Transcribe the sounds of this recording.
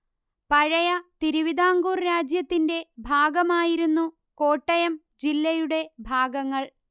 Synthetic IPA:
pɐɻɐjɐt̪iɾuʋid̪aːŋɡuːrɾaːd͡ʑjɐt̪ːinde̞bʱaːɡɐmaːjiɾunːu | ko̞ːʈːɐjɐm | d͡ʑilːɐjuɽe̞bʱaːɡɐŋːɐɭ

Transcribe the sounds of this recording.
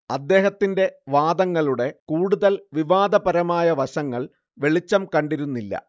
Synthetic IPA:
ɐd̪ːe̞ːɦɐt̪ːinde̞ʋaːd̪ɐŋːɐɭuɽe̞kuːɽuðɐlʋiʋaːd̪ɐpɐɾɐmaːjɐʋɐɕɐŋːɐɭ | ʋe̞ɭit͡ɕːɐmkɐɳɖiɾunːilːɐ̰

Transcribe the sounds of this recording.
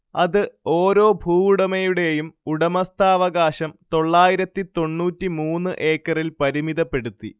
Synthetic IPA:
ɐðɨo̞ːɾo̞ːbʱuːuɽɐmɐjuɽe̞jumuɽɐmɐst̪ʰaːʋɐɡaːɕɐmt̪o̞ɭːaːjiɾɐt̪ːit̪o̞ɳːuːtːimuːnːɨʔe̞ːkːɐrilpɐɾimiðɐpːe̞ɽut̪ːḭ

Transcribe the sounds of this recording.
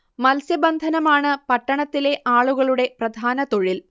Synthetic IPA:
mɐlsjɐbɐnd̪ʱɐnɐmaːɳɨpɐʈːɐɳɐt̪ːile̞ʔaːɭuɣɐɭuɽe̞prɐd̪ʱaːnɐt̪o̞ɻil

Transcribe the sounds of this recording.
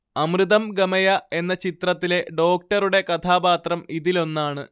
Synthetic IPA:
ɐmrɨðɐmɡɐmɐjɐe̞nːɐt͡ɕit̪rɐt̪ːile̞ɖo̞ːk̚ʈɐɾuɽe̞kɐt̪ʰaːbaːt̪rɐmiðilo̞nːaːɳɨ

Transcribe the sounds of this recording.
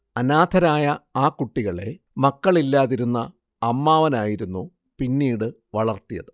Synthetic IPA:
ɐnaːd̪ʱɐɾaːjɐaːkːuʈːiɣɐɭe̞̰ | mɐkːɐɭilːaːðiɾunːɐː | mːaːʋɐnaːjiɾunːu | pinːiːɽɨ | ʋɐɭɐrt̪ijɐ̰ðɨ

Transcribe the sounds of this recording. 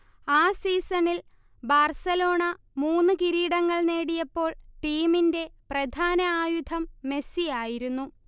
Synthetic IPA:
aːsiːsɐɳil | baːrsɐlo̞ːɳɐ | muːnːɨkiɾiːɽɐŋːɐɭne̞ːɽijɐpːo̞ːɭʈiːminde̞prɐd̪ʱaːnɐaːjud̪ʱɐmːe̞sijaːjiɾunːu

